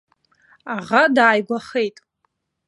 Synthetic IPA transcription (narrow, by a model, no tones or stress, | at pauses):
aʁadaːjɡʷaχejtʼ